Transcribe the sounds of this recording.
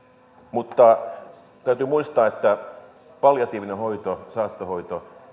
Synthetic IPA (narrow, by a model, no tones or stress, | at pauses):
mut̪ːɑ | t̪æyt̪ymuist̪ɑːet̪ːæ | pɑljɑt̪iːʋinehoit̪osɑːt̪ːohoit̪o